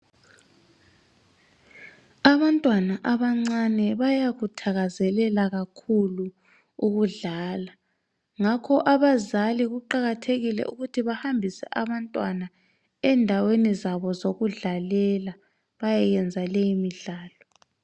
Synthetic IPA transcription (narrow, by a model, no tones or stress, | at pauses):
aβantʼwanaʔaβaŋ͡ǀanɛβajaɣutʰaɣazɛlɛlaɣakʰulu | uɣuɮaːla | ŋakʰɔʔaβazaliɣuǃaɣatʰeɣilɛ̰ʔuɣutʰiβahambʱisɛ̰ʔaβantʼwana | ɛndʱawenizaβɔzoɣuɮalɛla | βajɛjɛnd͡zʱalejimiɮaːlɔ